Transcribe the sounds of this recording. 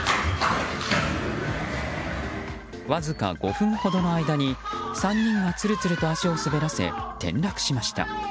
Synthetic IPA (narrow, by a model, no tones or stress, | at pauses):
βazɨka̰ɡ̥o̞̰ɸɯ̟̃ɰ̃ho̞d̪o̞no̞aid̪aɲ̟isãɲːĩŋɡat͡sɨɾɯ̟t͡sɨɾɯ̟t̪o̞aɕio̞sɨbe̞ɾase̞̰t̪ẽ̞̰nɾakɯ̟̥ɕimaɕi̥t̪a̰